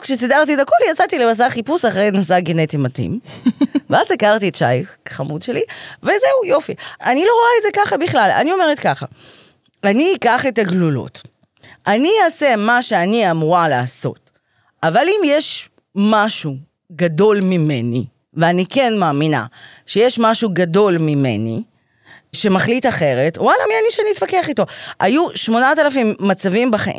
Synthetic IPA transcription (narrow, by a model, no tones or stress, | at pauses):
kʃesidaʁtietako̞ljat͡satilemas̬aχipusaχʁejnasaɡenetimatḭm | veazikaʁtietʃa̰jfkχamudʃe̞live̞zeujo̞fianilo̞ʁoaetze̞kaχabiχlala̰nio̞me̞ʁetkaχa | aniːkaχe̞taɡlulo̞̰t | ʔaniaːse̞maʃe̞aniamuʁalaːso̞̰t | ʔavalimjeʃ | maʃu | ɡado̞lmime̞nḭ | veanike̞nmaːmina̰ʃe̞jeʃmaʃuɡado̞lmime̞̰nḭ | ʃe̞maχlitaχe̞ʁe̞twalamianiʃeanitvakeaχito̞ʔajuʃmo̞natalafimːat͡savimbaχa̰ʔḭm